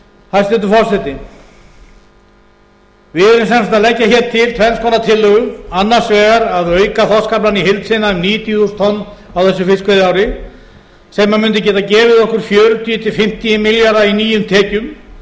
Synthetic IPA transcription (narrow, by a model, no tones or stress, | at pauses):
hast̪ɛt̪ʏfɔɾ̥sɛt̪ɪ | vɪðɛɾʏmsɛnsat̪aðlɛcːaçɛːɾ̥t̪ʰɪlt̪ʰvɛmskʰɔːnat̪ʰɪlːʏɣʏanːaɾ̥svɛːɣaɾaðœːɥkaθɔskaplanihɪlt̪sɪnaʏmniːt̪iust̪ʰɔnː | awθɛsːʏfɪskvɛðɪaːwɾɪ | sɛmːamʏnt̪̬ɪcɛːt̪acɛːvɪðɔhkʏɾ̥fjœːɾʏt̪ʰit̪ɪfɪm̥t̪iɪmɪljaɾðainiːjʏmt̪ʰɛːcʏm